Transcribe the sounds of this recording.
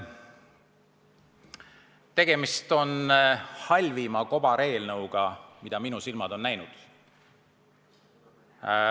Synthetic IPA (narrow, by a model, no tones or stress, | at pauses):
t̪e̞ɡ̥e̞mist̪o̞nhɑlʲvimɑko̞bɑɾe̞ːlnɤwɡ̥ɑmid̪̥ɑminusilmɑd̪̥o̞nːæjnud̪̥